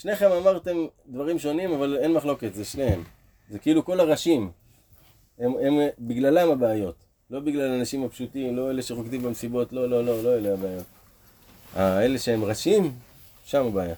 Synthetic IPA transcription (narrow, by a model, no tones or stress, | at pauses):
ʃne̞χe̞mamaʁt̪e̞md̪vaʁimʃo̞nimavale̞nmaχlo̞ke̞tzeʃnehem | zekiiluko̞laʁaʃim | emembiɡlalamabeajo̞t | lo̞biɡlalanaʃimapʃutimlo̞ele̞ʃeʁokd̪imbamesibo̞tlo̞lo̞lo̞lo̞eleabeajo̞t̚ | ae̞le̞ʃeemʁaʃim | ʃamabeaja